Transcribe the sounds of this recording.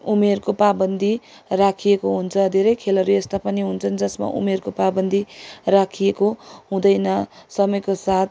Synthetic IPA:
umerkopabʌnd̪ʱi | rakʰijekoɦunt͡sʰʌd̪ʱeɾʌjkʰelʌɾuest̪apʌniɦunt͡sʰʌnd͡zʌsma̰ʔṵmerkopabʌnd̪ʱirakʰijekoɦũd̪ʌjnʌsʌmʌjkosat̪̚ʰ

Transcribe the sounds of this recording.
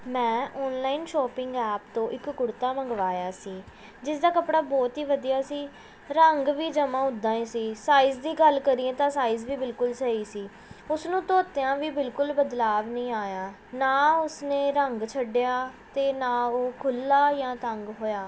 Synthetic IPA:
mɛ̃ːɔːnlaːiːnʃɔːpɪ̃ŋɡɛːpt̪õːʔɪkɡʊɽt̪aːməŋɡʋaːjaːsiː | d͡ʒɪsd̪aːkəpɽaːbɔːt̪ɦiːʋəd̪iːjaːsiː | ɾəŋɡʋiːd͡ʒəmãːʊd̪ːãːĩːsiːsaːiːzd̪iːɡəlkəɾiːẽːt̪ãːsaːiːzʋiːbɪlkʊlsəiːsiː | ʊsnũːt̪oːt̪jãːʋiːbɪlkʊlbəd̪laːʋnĩːaːjaː | naːʊsnẽːɾəŋɡt͡ʃʰəɖɪjaːt̪eːnaːoːkʰʊlːaːjãːt̪əŋɡɦoːjaː

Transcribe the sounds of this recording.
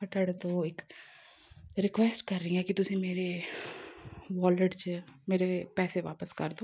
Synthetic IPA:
kɐʈəɽd̪oːɪk | ɾɪkʋɛsʈkɐɾːĩɛkit̪ʊsẽmeːɾe | ʋɔːləɖt͡ʃmeːɾepɛːseʋa̰ːpəskɐɾd̪oː

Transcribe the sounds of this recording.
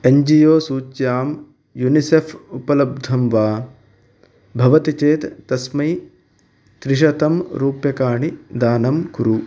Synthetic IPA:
eɲd͡ʒijoːsuːt͡ʃjaːm | junisefʰupɐlɐb̚d̪ʱɐmʋaː | bʱɐʋɐt̪it͡ʃeːt̪t̪ɐsmɐj | t̪ɾiʃ̬ɐt̪ɐmɾuːpjɐkaːɳid̪aːnɐmkuɾu

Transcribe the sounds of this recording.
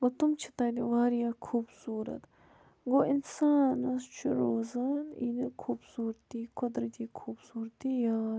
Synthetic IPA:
wɐt̪umt͡ʃʰi̥t̪ɐːd̪iʋaːɾjaːkʰuːbsuːɾɐ̰t̪ | ɡoʔinsaːnɐst͡ʃʰuɾoːzaːnḭnikʰubsuːɾt̪iːkod̪ɾɐt̪iːkʰuːbsuːɾt̪ijaː

